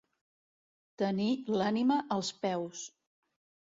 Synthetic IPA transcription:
t̪ənilaniməʔəlˠspɛws

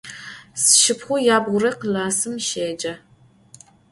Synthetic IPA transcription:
sɨ̥ʃɪpχʷʊjaːbʁʷʊɾɐqəlaːsɨmʃeːd͡ʒɐ

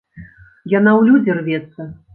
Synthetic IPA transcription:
janawlʲud͡zʲɛrvʲɛt̪sːɐ

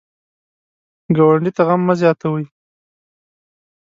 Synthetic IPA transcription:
ɡawaɳɖit̪aɣamːazjɑt̪awəj

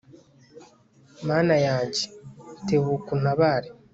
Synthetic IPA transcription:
maːnajaːɲɟenteβukun̥aβaːɾe

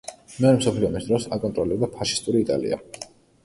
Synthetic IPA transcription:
mɛɔɾɛmsɔpʰliɔmisd̪ɾɔsakʼɔnt̪ʼɾɔlɛbd̪apʰaʃi̥st̪ʼuɾiːt̪ʼa̰lḭa̰

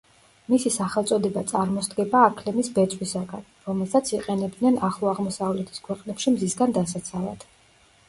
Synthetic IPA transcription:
misisaχɛlˠt̪sʼɔd̪ɛbat̪sʼaɾmɔsd̪ɡɛbaːkʰlɛmisbɛt̪sʼwisaɡanɾɔmɛlˠsat̪sʰiqʼɛnɛb̚d̪nɛnaχlˠɔaʁmɔsavlɛt̪ʰi̥skʰwɛqʼnɛpʃimzisɡand̪asat̪sʰala̰d̪̥

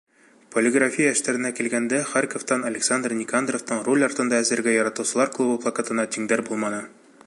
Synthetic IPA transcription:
polʲɪɡrafʲijəɘ̆ʃt̪æɾɘ̆nækilɡænd̪æχarkoft̪ɑnɐlʲɪksand̪rnʲɪkand̪roft̪ɤɴrolʲɒɾt̪ɤ̆nd̪ɑæzɘ̆ɾɡæjɒɾɑt̪ɤ̆wsɤ̆lˠɑɾklˠubɤplˠɐkat̪ɤ̆nɑt̪iŋd̪æɾbulˠmɑnɤ

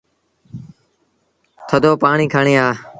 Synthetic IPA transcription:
t̪ʰəd̪oːpaːɳiːkʰaːɳeːaː

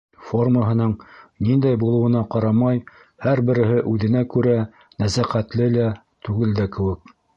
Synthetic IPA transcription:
forməɦɤ̆nɤɴnind̪æjbulˠɤ̆wɤ̆nɑqɑɾɑmɑj | hæɾbɘ̆ɾɘ̆ɦɘʔʉðɘ̆nækʉɾæ | næsæqæt̪lɘlæ | t̪ʉɡɘld̪ækɘ̆wɘk̚

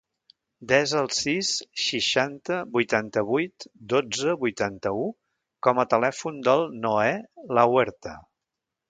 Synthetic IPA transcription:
d̪ɛzəlˠsisʃiʃant̪əbujt̪ant̪əβujt̪d̪od͡zəβujt̪ant̪əu | kɔmət̪əlɛfund̪əlˠnoɛləwɛɾt̪ə

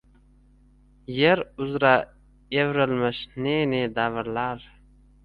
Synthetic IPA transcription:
jeɾʊzɾa | evɾəlməʃnened̪avəɾlaɾ

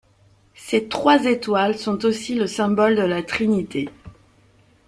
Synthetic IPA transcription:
set̪χwazet̪walsɔ̃t̪osiləsɛ̃bɔld̪əlat̪χinit̪e

